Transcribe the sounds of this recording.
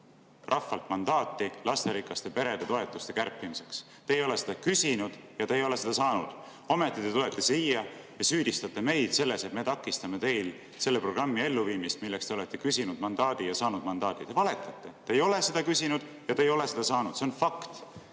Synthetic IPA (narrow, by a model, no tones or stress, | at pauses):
rʔɑfːɑlt̪mɑnd̪ɑːt̪ːilɑst̪e̞ɾikːˑɑst̪epe̞ɾe̞d̪̥e̞t̪oe̞t̪ːˑust̪e̞kærpːimise̞ks | t̪eːjo̞le̞se̞̥d̪ɑkysinud̪̥ | jɑt̪eːjo̞le̞se̞d̪̥ɑsɑːnṵd̪̥ | ome̞t̪ːˑit̪e̞t̪ule̞t̪ːˑesiːjːɑjɑsyːd̪̥ist̪ɑt̪ːˑeme̞jd̪̥se̞lːe̞se̞t̪me̞t̪ɑkːˑist̪ɑme̞t̪e̞jl | se̞lːepro̞ɡrɑmːie̞lːuviːmist̪milːekst̪eoe̞t̪ːˑe̞kysinud̪̥mɑnd̪ɑːd̪̥ijɑsɑːnud̪̥mɑnd̪ɑːd̪̥it̪e̞vɑle̞t̪ːˑɑt̪ːˑe̞t̪eːjo̞le̞se̞d̪̥ɑkysʲinud̪̥jɑt̪eːjo̞le̞se̞d̪̥ɑsɑːnud̪̥se̞onfɑkt̪